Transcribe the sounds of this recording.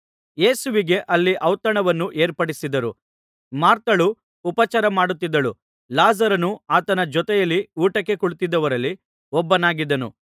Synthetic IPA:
je̞ːsuʋiɡe̞ʔɐlːiʔɐwt̪ɐɳɐʋɐnːuʔeːɾpɐɽisid̪ɐɾu | maːɾt̪ɐɭuː | pɐt͡ʃaɾɐmaːɽut̪ːid̪ːɐɭu | laːzɐɾɐnuaːt̪ɐnɐd͡ʒɔt̪ɛjɐlːiuːʈɐkːe̞kuɭt̪id̪ːɐʋɐɾɐlːi | ɔbːɐnaːɡid̪ɐnṵ

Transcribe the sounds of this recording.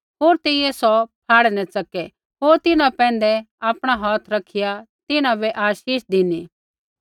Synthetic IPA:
ɦoːɾt̪eːɪjɛsɔpʰaːɽɛnɛ̃t͡sɐkɛ | ɦoːɾt̪ɪnãpɛ̃ːnd̪ɛ | aːpɽ̃aɦɔːt̪ʰɾɐkʰːɪja | t̪ɪnãbɛʔaːʃiːʃd̪ɪni

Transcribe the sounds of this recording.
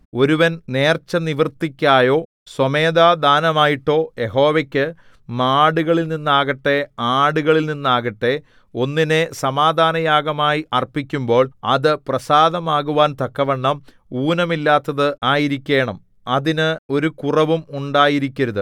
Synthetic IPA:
o̞ɾuʋɐnne̞ːrt͡ɕːɐniʋɐrt̪ːikʲːaːjo̞ː | swɐmeːd̪aːd̪ʱaːnɐmaːjiʈːo̞ːje̞ɦo̞ːʋekʲːɨ | maːɽuɣɐɭilninːaːɣɐʈːe̞aːɽuɣɐɭilninːaːɣɐʈːe | o̞nːine̞sɐmaːd̪ʱaːnɐjaːɡɐmaːjiʔɐrpikʲːumbo̞ːɭɐ̰ðɨprɐsaːd̪ɐmaːɣuʋaːnt̪ɐkːɐʋɐɳːɐm | uːnɐmilːaːt̪ːɐðɨaːjiɾikʲːe̞ːɳɐm | ɐðinɨo̞ɾukurɐʋumuɳɖaːjiɾikʲːɐɾuðɨ

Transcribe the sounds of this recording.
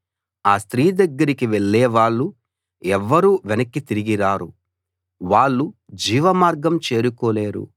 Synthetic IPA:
aːst̪ɾiːd̪ɐɡːɐɾikiʋeɭːɛːʋaːɭːu | ɛʋːɐɾuʋɛnɐkːit̪iɾiɡiɾaːɾu | ʋaːɭːu | d͡ʒiːʋɐmaːɾɡɐmt͡ʃe̞ːɾukoːleːɾṵ

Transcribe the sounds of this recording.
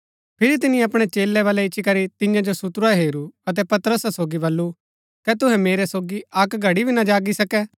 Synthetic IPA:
pʰɪɾit̪̬ɪnĩɐpɽ̃ɛt͡ʃeːlːɛʋaːlɛɪt͡ʃʃʰikɐɾit̪ɪ̃jãd͡ʒosʊt̪ɾaɦeːɾuɐt̪̬ɛpɐt̪ɾəssoːɡibɐlːu | kɛt̪ʊɦɛ̃meːɾɛsoːɡiɐkɡʱɐɽibʱinɐd͡ʒaːɡisɐkɛː

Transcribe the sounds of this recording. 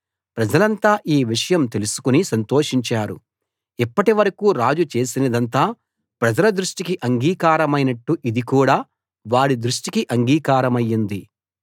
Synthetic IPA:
pɾɐd͡ʒɐlɐnt̪aːʔiːʋiʂɐjɐmt̪elusu̥kunisɐnt̪o̞ːʂiɲt͡ʃaːɾṵ | ipːɐʈiʋɐɾɐkuːɾaːd͡ʒut͡ʃe̞ːsinɐd̪ɐnt̪̬aː | pɾɐd͡ʒɐlɐd̪ɾuʂʈikiʔɐŋɡiːkaːɾɐmɐjnɐʈːuʔid̪ikuːɽaː | ʋaːɽid̪ɾuʂʈikiʔɐŋɡiːkaːɾɐmɐjːind̪i

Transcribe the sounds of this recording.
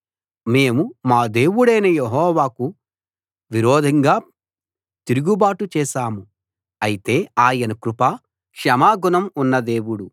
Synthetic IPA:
me̞ːmumaːd̪e̞ːwuɽɐjnɐjeɦɔːʋaːku | ʋiɾɔːd̪ʱɐŋɡaː | t̪iɾuɡubaːʈut͡ʃɛːʃaːmu | ɐjit̪e̞ːaːjɐnɐkɾupa | kʃɐmaːɡunɐmunːɐd̪e̞ːwuɽu

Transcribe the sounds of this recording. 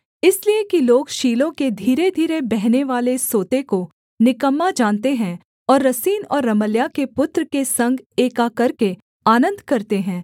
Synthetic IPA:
ɪsliekiloːɡʃiːlõked̪ʱiːɾed̪ʱiːɾebɛɦneʋaːlesoːt̪eko | nɪkəmːad͡ʒaːnt̪eɦɛ̃ | ɔːɾːɐsiːnɔːɾːɐməljakepʊt̪ɾkesɐ̃ŋɡeːkakɐɾke | aːnə̃nd̪ʱkɐɾt̪eɦɛ̃ː

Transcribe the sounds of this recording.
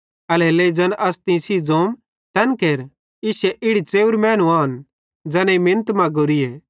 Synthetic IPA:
ɐleleid͡zɐnʔɐst̪ĩsid͡zoːm | t̪ɛnkeːɾ | ɪʃɛʔɪɽit͡seːuɾmɛ̃ːnũaːn | d͡zɐneimɪ̃nt̪mɐ̃ɡoɾijeː

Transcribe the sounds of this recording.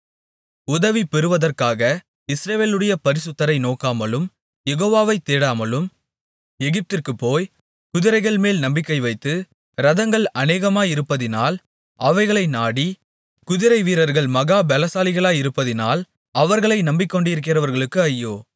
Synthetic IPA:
ʊðɐʋipɛɾɯʋɐðɐrkaːɣɐ | ɪsɾɐʋeːlɯɽɐjɐpɐɾɪsɯt̪ːɐɾɐɪnoːkaːmɐlɯm | jɛɣoːʋaːʋɐɪt̪ːeːɽaːmɐlɯm | ɛɣɪp̚t̪ɪrkɯpːoːj | kʊðɪɾɐɪɣɐɭmeːlnɐmbɪkːɐɪʋɐɪt̪ːɯ | ɾɐðɐŋɡɐɭɐneːɣɐmaːjɪɾɯpːɐðɪnaːl | ɐʋɐɪɣɐɭɐɪnaːɽi | kʊðɪɾɐɪʋiːɾɐɾɣɐɭmɐɣaːbɛlɐsaːlɪɣɐɭaːjɪɾɯpːɐðɪna̰ːl | ɐʋɐɾɣɐɭɐɪnɐmbɪkːɔɳɖɪɪɾɯk̬ːɪrɐʋɐɾɣɐɭɯkːɯɐjːoː

